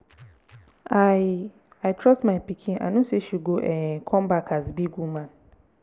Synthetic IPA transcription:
a | aɪtʰɹɔstmaɪpikʰĩna̰ɪnoseʃuɡoʔɛkʰɔ̃mbakʰazbiɡumãn

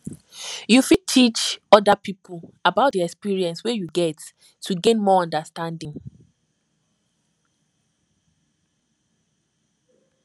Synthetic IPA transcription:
jufid̚tʰit͡ʃɔdapipʰulabaʊtdiɛkspiɹiɛ̃nswejuɡɛt | tːuɡẽnmɔɔ̃ndastãndĩŋ

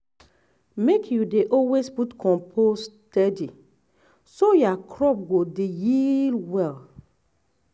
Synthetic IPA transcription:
mekʰjudeʔɔlwesputkʰɔ̃mpʰostɛdi | sojakʰɹɔp̚ɡodejilwɛl

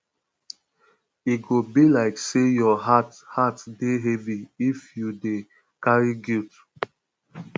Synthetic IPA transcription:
iɡobilaɪksejɔɦathatdeɦɛviifjude | kaɹiɡit

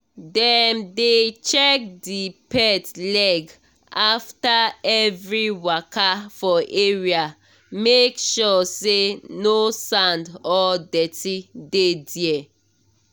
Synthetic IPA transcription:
dɛmdet͡ʃɛk̚dipɛtlɛɡ | aftaɛvɹiwakafɔʔeɹia | mekʃɔsenosãndɔdɛtidediɛ

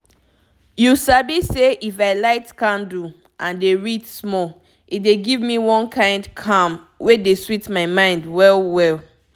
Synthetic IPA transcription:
jusabiseʔifaɪlaɪtkãndu | ʔãndeɹitsmɔl | ʔitdeɡivmiwɔ̃nkʰãɪ̃ndkʰãm | wʔedeswitmaɪmãɪ̃ndwɛlwɛl

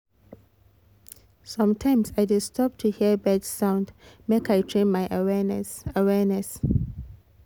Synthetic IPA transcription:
sʌ̃mtʰãɪ̃msajdɪstʰɔp̚tʰuhiəbɛdsãʊ̃ndmekajtʰɹẽnmajʔawɛnəwɛnɛs

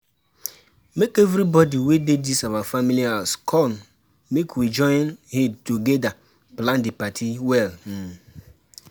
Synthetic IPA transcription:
mekevɾibɔdiwededisawafamiliaskʰɔn | mekwid͡ʒɔ̃ɪnhɪ̃mtuɡɛda | plãndɪpatʰiwɛln̩

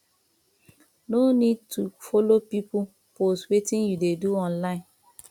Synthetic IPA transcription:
nonid̚tufɔlopipu | postwetĩnjudeduɔ̃nlãɪ̃n

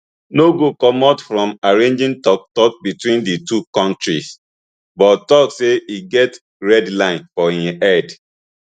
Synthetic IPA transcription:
noɡokɔmɔtfɹɔ̃maɹẽnd͡ʒĩŋtɔk̚tɔk̚bitwĩnditukɔ̃ntɹis | bɔttɔkseiɡɛt | ɹɛdlãɪ̃nfɔĩɛd

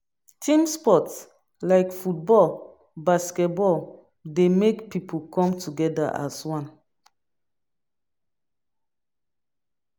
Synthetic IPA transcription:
tʰĩmspɔts | laɪkfut̚bɔl | baskɛt̚bɔl | demekpipʰokʰɔ̃mtʰuɡɛda̰ʔa̰swãn

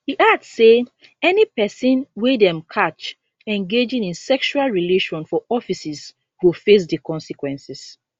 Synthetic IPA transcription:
hiʔadse | ɛnipɛsɔ̃nwedɛ̃mkʰat͡ʃ | ɛ̃nɡed͡ʒĩŋĩnsɛkʃualɹileʃɔ̃nfɔʔɔfisɛs | wufes̬dəkɔ̃nsikwɛ̃nsis

